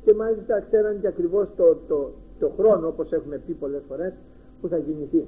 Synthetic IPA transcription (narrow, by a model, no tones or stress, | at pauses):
ce̞mɐlist̪ɐkse̞ɾɐnt̪iɐkɾivo̞st̪ot̪o | t̪oxɾo̞noopo̞se̞xume̞pipo̞le̞sfo̞ɾe̞s | puθɐʝiniθi